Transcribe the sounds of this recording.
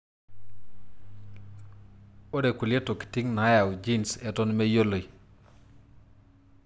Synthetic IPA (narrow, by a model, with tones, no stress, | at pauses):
o˦de˨ku˨le˦to˨ki̥˨ti˦ŋna˦ja˨wd͡ʒi˦nsɛ˨tɔ˦nme˦jo˦lo˨j